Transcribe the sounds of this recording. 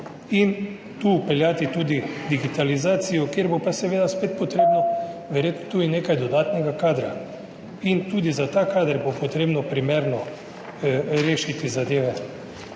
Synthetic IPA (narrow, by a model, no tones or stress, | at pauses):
in | t̪uːpɛljaːt̪it̪uːd̪id̪iɡit̪alizaːt̪sijɔkjeɾbopasɛʋeːd̪aspeːt̪̚pɔt̪ɾeːbnɔʋɛɾjeːt̪nɔt̪uːineːkajd̪ɔd̪aːt̪nɛɡakaːd̪ɾa | int̪uːd̪izat̪akaːd̪əɾbopot̪ɾeːbnɔpɾimeːɾnɔ | ɾeːʃit̪izad̪eːʋɛ